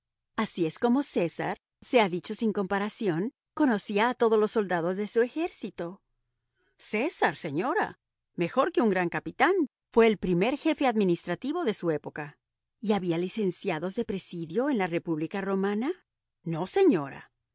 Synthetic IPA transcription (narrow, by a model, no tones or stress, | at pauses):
asie̞sko̞mo̞se̞sa̰ɾ | se̞aðit͡ʃo̞siŋko̞mpaɾasjo̞ŋ | ko̞no̞siaːt̪o̞ð̞o̞lo̞sːo̞ld̪aðo̞zðe̞sue̞xe̞ɾsit̪o̞ | se̞saɾse̞ɲo̞ɾa̰ | me̞xo̞ɾke̞uŋɡɾaŋkapit̪an | fwe̞ːlpɾime̞ɾxe̞fe̞aðmĩnist̪ɾat̪iβo̞ðe̞sue̞po̞ka | iaβialise̞nsjaðo̞zðe̞pɾe̞siðjo̞enlare̞puβlikaro̞mana | no̞se̞ɲo̞ɾa̰